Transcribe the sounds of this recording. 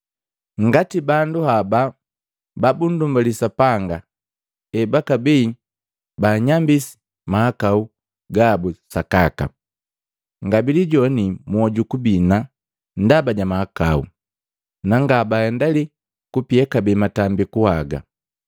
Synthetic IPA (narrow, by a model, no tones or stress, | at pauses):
ŋɡatibanduhaba | babundumbalisapaŋɡa | ɛbakabiː | baːɲambisi̥ | mahakau | ɡaːbusakaka̰ | ŋɡabiliɟɔnimuɔɟukubina | n̩dabaɟamahaka̰ṵ | naŋɡabaɛndali | kupiɛkabiimatambikuhaɡa̰